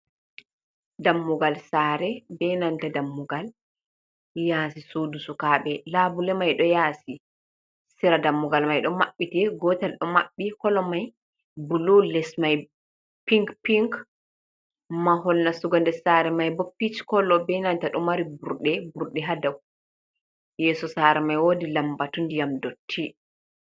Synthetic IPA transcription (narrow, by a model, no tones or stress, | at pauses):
damːuɡalsaɾɛbɛnantadamːuɡal | jaːsisudusukaːɓɛlabulɛmajɗɔjaːsi | siɾadamːuɡalmajɗɔmaɓːitɛɡɔtalɗɔma̰ɓːikɔlɔmaj | bululɛsmaj | piŋkpiŋk | maɦɔlnasuɡandɛsaɾɛmajbɔpːit͡ʃi̥kɔlɔbɛnantaɗɔmaɾibuɾɗɛbuɾɗɛɦadaw | jɛːsɔsaɾɛmajwodilambatundijamdotʰːi